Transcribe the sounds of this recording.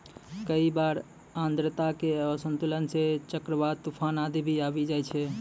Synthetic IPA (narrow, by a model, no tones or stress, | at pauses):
kəibaɾ | ãnd̪ɾət̪akeəsənt̪ulənset͡ʃəkɾəʋad̪̚t̪upʰanad̪ibʱiabid͡ʒajt͡ʃʰɛ